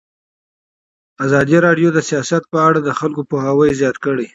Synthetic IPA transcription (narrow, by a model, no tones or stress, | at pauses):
azɑd̪iɾɑɖjod̪əsijɑsat̪̚pəaɽad̪əxalkopoɦawəjzjɑt̪kəɽe